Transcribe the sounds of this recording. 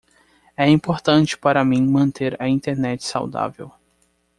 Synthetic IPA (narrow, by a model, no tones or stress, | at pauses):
ɛĩpoɾt̪ɐ̃t͡ʃɪ̥paɾɐmĩmɐ̃nt̪eɾɐĩnt̪eɾnɛt͡ʃɪ̥sa̰wd̪a̰vḛw